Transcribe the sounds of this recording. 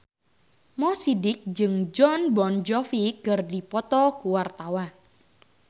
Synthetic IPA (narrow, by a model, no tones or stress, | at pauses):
mɔsidɪk̚d͡ʒɨŋd͡ʒɔnbɔnd͡ʒɔfikɨrdipɔt̪ɔkuwart̪awa